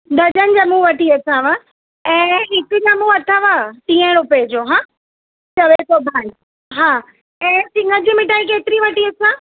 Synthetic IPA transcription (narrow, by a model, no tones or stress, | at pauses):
ɗ̪ɐd͡ʑənɪ̆d͡ʑɐmũʋɐʈiɐt̪ʰãʋa | ɛ̃ːɪkd͡ʑɐmuɐt̪ʰaʋat̪ĩːə̃ɽ̃ʊped͡ʑoːɦãː | t͡ɕɐʋet̪obʱaːn | ɦaː | ɛ̃ːsɪ̃ŋɡəd͡ʑimɪʈaːik̬eːt̪ɪɾiʋɐʈiɐt̪ʰãː